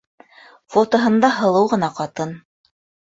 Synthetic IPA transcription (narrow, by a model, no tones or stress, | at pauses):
fot̪ŏɦɤ̆nd̪ɑɦɤ̆lˠɤwʁɤ̆nɑqɑt̪ɤn